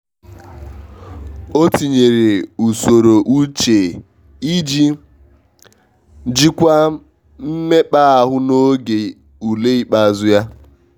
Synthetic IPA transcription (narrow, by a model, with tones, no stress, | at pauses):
o˦ti˨ɲe˨ɾe˨u˨so˨ɾo˨ʔu˦t͡ʃe˨ | i˦d͡ʒi˦ | d͡ʒi˦kʷa˦ | m̩˦me˦k͡pa˦a˨ɦʊ˦no˦ɡe˨ | u˨le˦i˦k͡pa˨zʊ˦ja˦